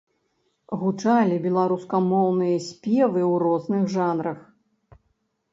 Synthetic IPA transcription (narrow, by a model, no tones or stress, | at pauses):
ɣut͡ʂalʲibʲɛlˠaɾuskɐmɔwnɨjɐsʲpʲɛvɨwrɔznɨxʐanɾɐx